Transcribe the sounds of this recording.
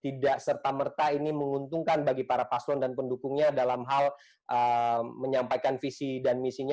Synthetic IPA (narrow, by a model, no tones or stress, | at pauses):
t̪idaʔsərt̪amərt̪ainiməŋunt̪uŋkanbaɡipaɾapaslɔndanpəndukʊŋɲadalamɦal | ʔəməɲampajkanfisidanmisiɲa